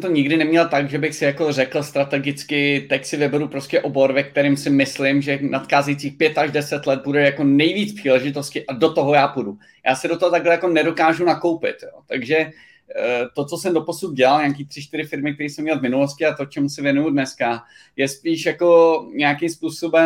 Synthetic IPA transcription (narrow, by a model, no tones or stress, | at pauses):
ɛmt̪oɲɪɡdɪnɛmɲɛlt̪aɡʒɛbɪxsɪjako̞rɛkl̩st̪ɾat̪ɛɡɪt͡skɪt̪ɛcsɪvɪbɛɾupɾo̞scɛʔo̞bo̞ɾvɛk̚t̪ɛɾɪmsɪmɪslɪmʒɛnʔat̪xaːzɛjt͡siːxpjɛt̪aʒdɛsɛt̪lɛt̪̚budɛjako̞nɛjviːt͡spr̥iːlɛʒɪt̪o̞scɪʔado̞t̪o̞ɦo̞jaːpudu | jaːsɪdot̪oɦot̪aɡlɛjako̞nɛdo̞kaːʒunako̞wpɪ̰t̪jo̰t̪aɡʒɛ | t̪o̞t͡so̞sɛmdo̞po̞sut̪̚ɟɛlalɲaːkiːt̪r̥ɪʃt̪ɪɾɪfɪɾmɪk̚t̪ɛɾiːsɛmɲɛlvmɪnuloscɪat̪ot͡ʃɛmusɪvjɛnujudnɛska | jɛspiːʃjako̞ɲɛakɪmspuːsobɛ